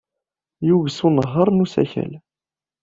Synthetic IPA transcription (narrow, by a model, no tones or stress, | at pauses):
juvəsunəʁːəɾˤnusæ̰çæ̰l